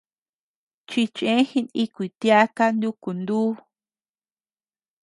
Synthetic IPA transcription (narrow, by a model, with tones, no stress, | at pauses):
t͡ʃi˧t͡ʃẽ˦hi˧ni˦kʷi˨t̪ja˦ka˦nd̪u˦ku˨nd̪uː˦